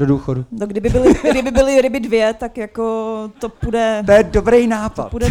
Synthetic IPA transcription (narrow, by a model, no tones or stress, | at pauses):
doduːxodunoɡdɪbɪbɪlɪɡdɪbɪbɪlɪɾɪbɪdvjɛt̪akjakot̪opudɛt̪ojɛdobɾejnaːpat̪pudɛ